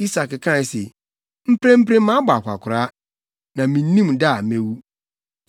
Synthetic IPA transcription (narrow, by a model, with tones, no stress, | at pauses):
i˦sa˨kkʰã˦˨n˨se˨ | m̩˦pʰɾɛ̃˦m̩˦pʰɾẽ˦m˦mã˦ba˨kʷa̰˨kʰʊ˨ɾa˦ | nã˨mĩ˨n˦nĩ˦mda˦˨mẽ˦wu˦